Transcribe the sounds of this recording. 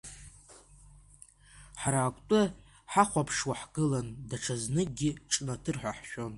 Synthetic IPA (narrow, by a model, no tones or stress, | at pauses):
ħaɾaːkʷʼtʼɨ | ħaχʷapʰʂwaħɡɨlandaʈ͡ʂʰaznɨɡʲɪʈ͡ʂʼnatʰɨrħʷᶣaħʃᶣo̞n